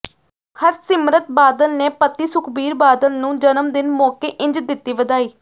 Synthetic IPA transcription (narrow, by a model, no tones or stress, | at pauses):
həɾsɪmɾət̪̚baːd̪əlneːpət̪ːiːsʊkʰbiːɾbaːd̪əlnũːd͡ʒənəmd̪ɪnmɔːkeːʔɪ̃ɲd͡ʒd̪ɪt̪ːiːʋəd̪aːiː